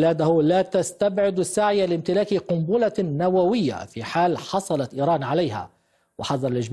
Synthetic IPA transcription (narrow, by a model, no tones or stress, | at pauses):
laːd̪ahʊlaːt̪ast̪abʕɪd̪sːaʕɪjalɪmt̪ɪlaːkqʊmbuːlanawawɪjːa̰fiːħaːlħɑsˤɑlɑt̪ʔiːɾɑːnʕalajɦa̰ | wɪ̰ħɑðˤɑɾˤɑlɪʒd͡ʒ